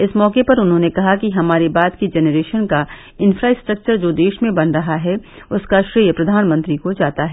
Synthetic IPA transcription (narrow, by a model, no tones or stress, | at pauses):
ɪsmɔːkepɐɾʊnɦõːnekɐɦakiɦɐmaːɾebaːt̪kid͡ʒɛːnəɾeːʃənka | ɪ̃nfɾaːɪsʈɾɐk̚t͡ʃəɾd͡ʒoːd̪eːʃmẽbɐnɾɐɦaɦɛ | ʊskaʃɾiːjəpɾɐd̪ʱaːnmə̃nt̪ɾikod͡ʒaːt̪aɦɛː